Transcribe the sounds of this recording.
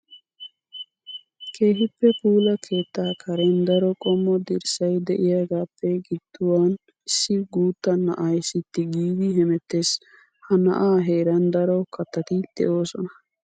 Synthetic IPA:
kʰe̞ːɦɪpːɛpuːlɐkʰe̞ːt̪ːaːkʰɐɾɛnd̪ɐɾɔkʼɔmːɔd̪ɪɾsɐjd̪ɛʔɪjaːɡaːpːɛɡɪd̪ːʊwaːn | ɪsːɪɡuːt̪ːɐnːɐ̰ʔajsɪt̪ːɪɡiːd̪ɪɦɛmɛt̪ːes | hɐnɐ̰ʔaːɦeːɾɐnd̪ɐɾɔkɐt̪ːɐt̪ɪd̪̥ɛ̰ʔo̞ːsɔnɐ

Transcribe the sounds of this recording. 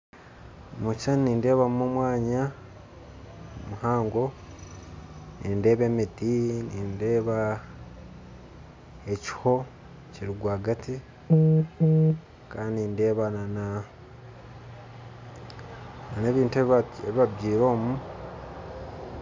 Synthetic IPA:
mut͡ʃanniːnde̞ːβamomwaːɲa | muhaːŋɡo̞ | ninde̞ːβe̞ːmidiniːnde̞ːβa | e̞ci̥ho̞ | ciɾiɡwaːɡatʰi | kaːndininde̞ːβanana | naneβiːnteeβiβabɟiːɾo̞ːmu

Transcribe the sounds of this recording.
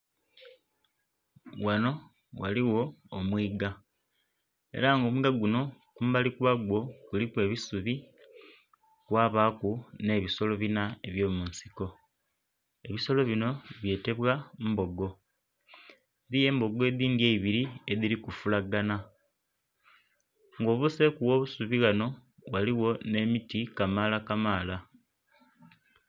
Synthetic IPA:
wano̞ | waliwo̞ːmwiːɡa | e̞̰ɾaŋɡo̞ːmuɡaɡuno̞kumbalikuβaɡwo̞kulikwe̞ːβisuβi | kwaːβaːkune̞ːβiso̞lo̞βinaeβjo̞ːmunsi̥ko̞ | e̞βiso̞lo̞βino̞βje̞ːte̞βwambo̞ɡo̞ | eɾije̞ːmbo̞ɡe̞ðiːndjeiβiɾie̞ðilikufulaɡana | ŋɡo̞ːβuse̞kuwo̞ːβusuβiɣano̞waliwo̞ne̞mitikamalakamaːla

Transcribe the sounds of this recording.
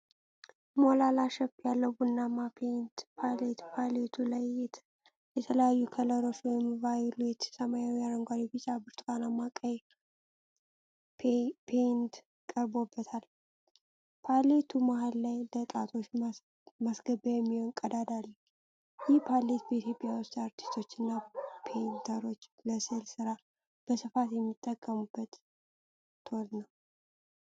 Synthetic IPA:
molalaʃɛpːjalːəwbunːamapʰent̪pʰalet̪pʰalet̪ʰulajt̪ | jɛt̪ʰələjajːukʰələɾot͡ʃwɔjɛmvajlet͡ʃ̪səmajawiaɾəŋɡʷaɾibɨt͡ʃːabɨɾt̪ʰʼkanamakʼəj | pʰent̪ | kʼəɾbo̞bːət̪ʰal | pʰalet̪ʰumahalːajlət̪ʼat̪ʰo̞t͡ʃː | masɡəbajɛmːihonkʼəd̪ad̪alːə | jɪhpʰale̞t̪bet̪jipʼːijawost̪aɾt̪ʰi̥st̪ʰo̞t͡ʃːɨnːapʰent̪ʰəɾo̞t͡ʃːləselsɨɾa | b̥əsɨfat̪jɛmːit̪ʼːəkʼːəmubːət̪ːʰ | o̞ɾnəw

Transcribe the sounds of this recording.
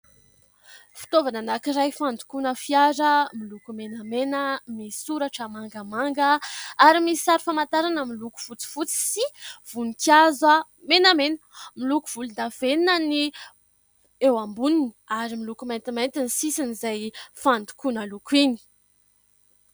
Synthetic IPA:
fi̥t̪ovananakiɾajfand̪u̥kunəfiaɾəmilukumenamenəmisuɾaʈ͡ʂəmaŋɡamaŋɡəaɾimisi̥saɾifamant̪aɾanəmiluku̥fut͡si̥fut͡si̥siv̥unikjazwa | menamenəmiluku̥v̥ulund̪av̥enəni | ewambuniniaɾimilukumajnt̪imajnt̪inisisinizajfand̪u̥kunəlukwini̥

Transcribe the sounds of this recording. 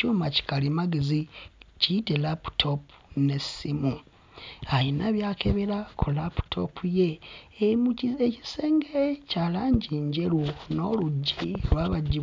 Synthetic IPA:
omaci̥kalimaɡezicitelapu̥tʰo̞pune̞simu | ajinaβjaːkʰeβeɾakʰolapu̥tʰo̞pʰuje̞ | ei̥seːŋɡeecalaːɲɟiːɲɟe̞luno̞luɟːilwaːβaɟːi

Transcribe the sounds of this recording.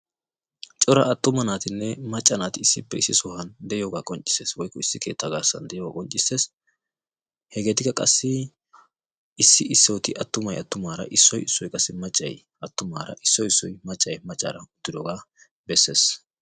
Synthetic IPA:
t͡ʃʼɔɾɐ̰ʔɐt̪ːʊmɐnaːt̪ɪnːɛmɐt͡ʃʼːɐnaːt̪ɪɪsːɪpːɛɪsːɪsʊhɐnd̪ɛjoːɡaːkʼɔnt͡ʃʼːɪ̥se̞ːswɔjkːɔɪsːɪkʰe̞ːt̪ʰːɐɡaːsːɐ̰nd̪ɛjɔːɡa̰ːkʼɔnt͡ʃʼɪsːe̞ːs | hɛɡe̞ːt̪ɪkːɐkʼɐsːɪ | ɪsːɪɪsːɛwɔt̪ɪʔɐt̪ːʊmɐjɐt̪ːʊmaːɾɐ̰ʔɪsːɔjɪsːɔjkʼɐsːɪmɐt͡ʃʼːɐ̰j | ɐt̪ːʊma̰ːɾɐ̰ʔɪsːɔjɪsːɔjmɐt͡ʃʼːɐjmɐt͡ʃʼːa̰ːɾɐʊt̪ːɪd̪ɔɡaː | bɛsːe̞ːs

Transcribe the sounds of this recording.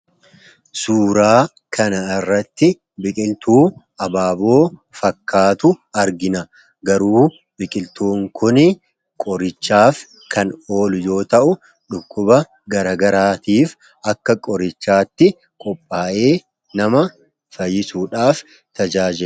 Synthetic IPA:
suːɾaː | kʰɐnɐɪrːɐt̪ːɪ | bɪkʼɪlt̪uːʔɐbaːbo̞ːfɐkːaːt̪ʊɐɾɡɪnɐ | ɡɐɾuː | bɪkʼɪlt̪uːŋkʰʊnɪ | kʼɔɾɪt͡ʃːaːf | kʰɐno̞ːlʊjo̞ːt̪ɐʔʊ | ᶑʊkːʊbɐ | ɡɐɾɐːɡɐɾaːt̪iːf | ʔɐkːɐkʼɔɾɪt͡ʃːaːt̪ːɪ | kʼɔpʼːaːʔe̞ː | nɐmɐ | fɐjːɪsuːᶑaːf | t̪ɐd͡ʒaːd͡ʒɪ

